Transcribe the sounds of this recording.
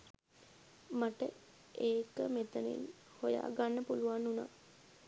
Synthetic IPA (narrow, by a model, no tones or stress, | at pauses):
maʈə | ʔeːkəmet̪ənḭn | hoja̰ːɡanːəpuluʋanːuna̰